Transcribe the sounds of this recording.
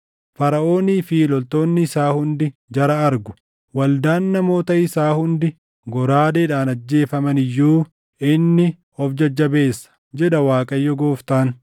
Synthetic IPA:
fɐɾɐʔo̞ːnɪfiːlɔlt̪o̞ːnːɪɪsaːhʊnd̪ɪd͡ʒɐɾɐɐɾɡʊ̥ | wɐld̪aːnːɐmo̞ːt̪ɐɪsaːhʊnd̪ɪ | ɡɔɾaːd̪ɛːᶑaːnɐd͡ʒːe̞ːfɐmɐnɪjːuː | ɪnːɪ | ɔfd͡ʒɐd͡ʒːɐbe̞ːsːɐ̥d͡ʒɛᶑɐwaːkʼɐjːɔɡoːft̪aːn

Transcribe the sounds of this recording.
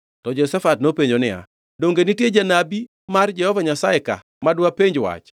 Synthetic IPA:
tɔd͡ʒosɛfatnopeɲd͡ʒonɪa̰ | doŋɡenɪtjed͡ʒanabi | mard͡ʒɛhɔvaɲasaɛka̰ | madwapeɲd͡ʒwa̰t͡ʃ

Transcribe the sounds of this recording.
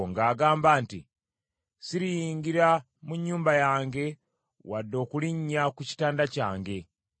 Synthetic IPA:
ŋɡaːɡaːmbaːntḭ | siɾijiːŋɡiɾa | muɲːuːmbajaːŋɡe̞ | wadːo̞ːkuliɲːakuci̥taːndacaːŋɡe̞

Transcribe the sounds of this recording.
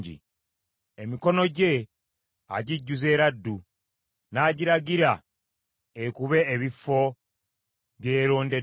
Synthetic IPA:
ɟḭ | emiko̞no̞ɟe̞ | a̰ɟiɟːuze̞ːɾadːu | naːɟiɾaɡiɾa | ekuβe̞ːβifo̞ | βje̞ːɾo̞ːnde̞

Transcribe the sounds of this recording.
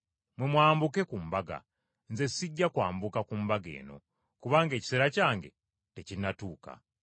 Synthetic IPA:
mwemwaːmbuke̞kumbaɡa̰ | nze̞siɟːakwaːmbukakumbaɡe̞̰ːno̞̰ | kuβaːŋɡe̞ːci̥seɾacaːŋɡe̞̰ | te̞cinatuːka̰

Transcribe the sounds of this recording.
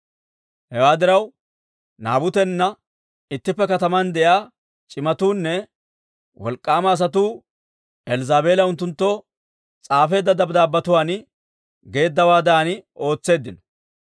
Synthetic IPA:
hɛwaːd̪ɪɾɐw | naːbʊt̪ɛnːɐ | ɪt̪ːɪpːɛkɐt̪ɐmɐnd̪ɛjaː | t͡ʃʼɪmɐt̪uːnːɛ | wɔ̰lkʼːaːmɐːs̬ɐt̪uː | ɛlzaːbe̞ːlɐʊnt̪ːʊnt̪ːo | t͡sʼaːfe̞ːd̪ːɐd̪ɐbd̪aːbːɐt̪ʊwaːn | ɡe̞ːd̪ːɐwaːd̪aːnɪo̞ːt͡sːe̞ːd̪ːɪnɔ̥

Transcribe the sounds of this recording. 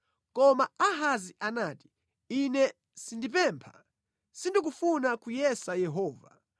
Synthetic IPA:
kɔmaaɦaziʔanaːti̥ | inɛ | sindip̬ɛmpʰḁ | sindik̬ufunakujɛsajɛɦɔːva̰

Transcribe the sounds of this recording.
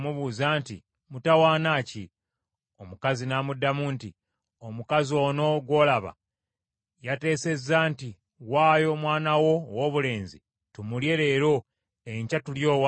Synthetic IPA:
muβuːzaːntḭ | mutawaːnaːci | o̞mukazinamudːamuːnti | o̞mukazio̞ːno̞ɡwo̞ːlaβa̰ | jate̞ːse̞zːaːnti | waːjo̞mwaːnawo̞woːβule̞ːnzḭ | tumulje̞ːɾe̞ːɾo̞ | eɲcatuljo̞ːwa

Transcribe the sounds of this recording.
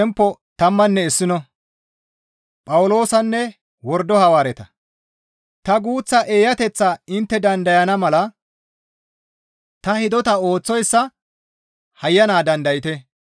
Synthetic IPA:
ɛmpːɔt̪ɐmːɐnːɛɪsːɪnɔ | pʼɐwʊlo̞ːsɐnːɛ | wɔɾd̪ɔhɐwaːɾɛt̪ɐ | t̪ɐɡuːt͡sːɐʔeːjɐt̪ɛt͡sːaɪnt̪ːɛd̪ɐnd̪ɐjɐnɐmɐlɐ | t̪ɐhɪd̪ɔt̪ɐo̞ːt͡sːɔjsːɐ | hɐjːɐnaːd̪ɐnd̪ɐjɪt̪ɛ

